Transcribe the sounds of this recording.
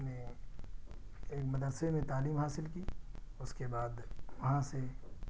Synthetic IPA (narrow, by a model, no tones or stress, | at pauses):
ne | eːkmɐd̪əɾsemẽt̪aːliːmɦaːsɪlkiʊskebaːd̪ʋɐɦãse